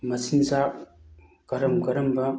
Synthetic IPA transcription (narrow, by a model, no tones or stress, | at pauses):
mɐsinza | ɡ̥ɐɾɐmɡɐɾɐmbɐ